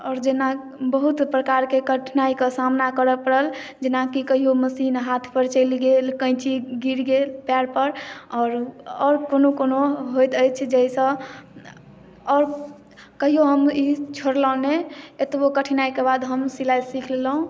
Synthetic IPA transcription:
ɔːɾd͡ʒena | bəɦut̪pɾəkaɾkekəʈʰnaikəsamnakəɾəpəɾəld͡ʒenakikəɦioməsinɦat̪ʰpəɾt͡ʃəɪliɡelkə̃ɪt͡ʃiɡiɾɡelpjaɾpəɾɔːɾɔɾkonokonoɦojt̪əjt͡ʃʰd͡ʒəisə̃ | ɔɾ | kəɦijoɦəmit͡ʃʰoɾlɔneet̪bokəʈʰnaikebad̪ɦəmsilajsikʰllũ

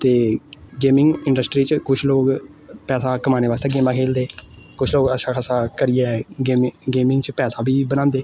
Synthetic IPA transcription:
t̪eːɡeːmɪ̃ŋɡɪɳɖəsʈɾiːt͡ʃkʊt͡ʃʰloːkpɛːsaːkəmaːneːʋaːst̪eːɡeːmãːkʰeːld̪eːkʊt͡ʃʰloːɡəʃãːkʰəsaːkəɾiɛːɡeːɡeːmɪ̃ŋɡt͡ʃpɛːsaːbʱiːbənãːnd̪eː

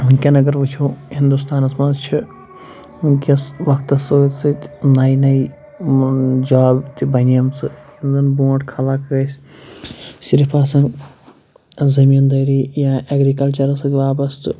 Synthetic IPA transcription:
kʲɐnɐɡɐɾʋut͡ʃʲʰoːhind̪ust̪aːnɐsmãːzt͡ʃʰi | kʲɐsʋɐkt̪ɐsɨt͡sɨt̪naːinɐi | d͡ʒaːbt̪ibɐnijɐmt͡sɨhinzɐnbõːʈkʰɐlaːkɡɐsʲ | siɾipʰaːsɐn | zɐmiːnd̪ɐːɾiːjaʔɐɡɾikɐlt͡ʃɐɾɐsɐtʋaːbɐst̪ɨ

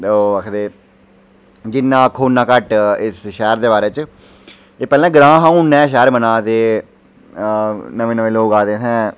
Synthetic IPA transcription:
oːəkʰd̪eː | d͡ʒɪnːãːkʰːoːnːãːkəʈɪsʃɛːɾd̪eːbaːɾeːt͡ʃ | eːpɛːlɛ̃ːɡɾãːɦãːũːnːɛ̃ːʃɛːɾmənãːt̪eː | nəʋẽːnəʋẽːloːkaːd̪eːt̪ʰɛ̃ː

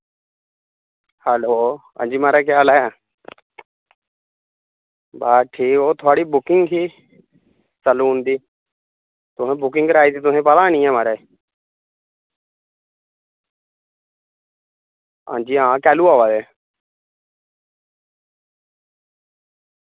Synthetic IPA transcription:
hɛːloː | ã̰ːnd͡ʒiːmaːɾaːk̬jaːlaːa | baːʈʰiːkoːt̪ʰʊaːɽiːbʊkɪŋɡɦiː | səluːnd̪iː | t̪ʊɦẽːbʊkɪ̃ŋɡɾaːiːt̪iːt̪ʊsẽːpəlãːñĩːɛ̃ːmaːɾeː | ã̰ːd͡ʒiːãːkɛːluːaːʋaːd̪eː

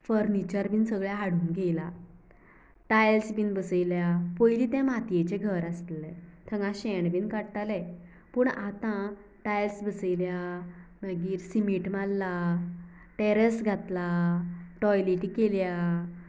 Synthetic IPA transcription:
fəɾnit͡ɕəɾbiːnsəɡɭjaɦaɽuːnɡʱela | ʈajlsbiːnbəsəjljapɔjliːt̪ɛ̃mat̪jet͡ɕẽɡʱəɾast̪lɛ̃t̪ʰəŋãɕɛ̃ɳbiːnkaɽt̪alɛ | puːɳat̪ã | ʈajlsbəsəjljabəɡiːɾsimiʈmalːa | ʈɛɾəsɡʱat̪laʈɔjliʈikelja

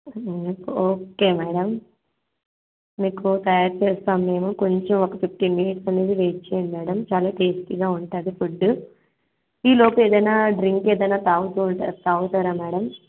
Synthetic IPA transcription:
poːke̞ːmɛːɽɐm | iːkut̪ɐjaːɾt͡ʃeːst̪aːmːe̞ːmuko̞ɲt͡ʃemokɐpipʈiːminiʈsɐneːd̪iʋeːt͡ʃːeːnimɛːɽɐmt͡ʃaːlaːʈeːsʈ̪iɡaːuɳʈaːd̪ifuɖːu | iːloːpueːd̪ɐjnaːɖɾiŋkeːd̪ɐjnaːt̪aːwut̪uat̪aːɡut̪aːɾaːmɛːɽɐm

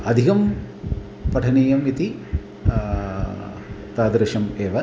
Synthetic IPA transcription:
ɐd̪ʱikɐm | pɐʈʰɐniːjɐmit̪i | t̪aːd̪ɾɐʃɐmeːʋɐ

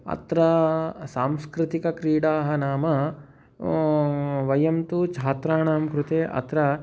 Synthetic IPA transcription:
ɐ̰t̪ɾɐsaːmskɾɪt̪ikɐkɾiːɽaːɦɐnaːmɐ | ʋɐjɐmt̪ut͡ʃʰaːt̪ɾaːnaːmkɾut̪eːʔɐ̰t̪ɾɐ

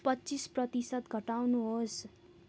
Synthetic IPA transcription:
pʌtːt͡sisprʌt̪isʌt̪ɡʱʌʈawnuɦos

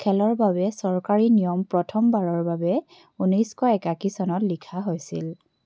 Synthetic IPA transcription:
kʰɛlɔɹbabɛsɔɹkaɹinijɔmpɹɔtʰɔmbaɹɔɹbabɛ | unɔjskɔɛkakisɔnɔtlikʰaɦojsḭl

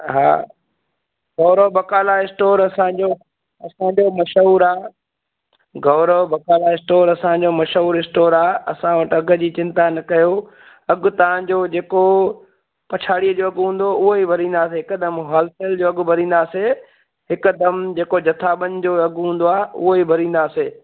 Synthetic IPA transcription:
ɦa̰ː | ɡɐːɾəbɐkaːlaɪsʈoːɾɐsãd͡ʑoː | ɐsãɲd͡ʑoːmɐʃuːɾaː | ɡɐːɾəbɐkaːlaɪsʈoːɾɐsãd͡ʑoːmɐʃuːɾɪsʈoːɾaːɐsãʋɐʈɐɡə̆d͡ʑiːt͡ɕɪ̃nt̪anɐkɐjo | ɐɡʊ̆t̪ɐʋ̤ãd͡ʑoːd͡ʑeːko | pɐt͡ɕʰaːɽiəd͡ʑoːɐɡʱɦũːn̆d̪oʊɦoibʱɐɾĩːnd̪aːs̬eɦɪkd̪ɐmɦaːlseːld͡ʑoːɐɡʊbʱɐɾĩːn̆d̪aːse | ɦɪkʊd̪ɐmd͡ʑeːkod͡ʑɐt̪ʰaːɓənɪ̆d͡ʑoːɐɡɦũːn̆d̪oaːʊ̰ɦoibʱɐɾĩːn̆d̪aːseː

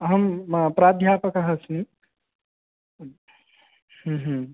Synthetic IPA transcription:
ɦəmpɾaːd̪ʱjaːpəkɐɦɐsni | hũɦ

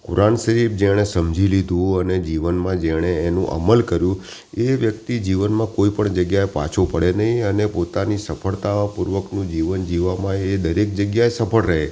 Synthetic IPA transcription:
kʊ̰ɾansəɾibd͡ʒẽesəmd͡ʒʱilid̪ʱũəned͡ʒiʋənmãd͡ʒeɽ̃eːnũʔə̰məlkəɾjũ | eʋjək̚t̪id͡ʒiʋənmãkoipəɳd͡ʒəɡjaepa̰t͡ʃʰopəɽenəɦĩənepot̪anisəpʰəɭt̪aʋãpuɾʋəknũd͡ʒiʋənd͡ʒiʋamãeed̪əɾek̚d͡ʒəɡjaesəpʰəɭɾəɦe

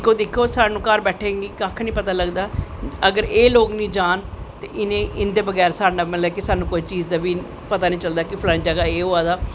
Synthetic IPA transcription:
kʰːoːd̪ɪkʰːoːsaːnũːkəɾbɛːʈʰeːŋɡiːkaːkʰnĩːpət̪aːləɡd̪aːəɡəɾeːloːknĩːd͡ʒaːn | t̪eːʔɪnẽːʔɪnd̪eːbəɡɛːɾsaːɖnaːməlɛːkɪsaːnũːkoːit͡ʃiːzd̪aːbiː | pət̪aːnĩːt͡ʃəld̪aːkɪpʰlə̃d͡ʒəɡaːeːɦoːaːd̪aː

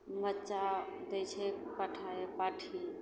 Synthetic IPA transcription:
mətːt͡ʃa | d̪ɛt͡ʃʰɛpəʈʰaepaʈʰi

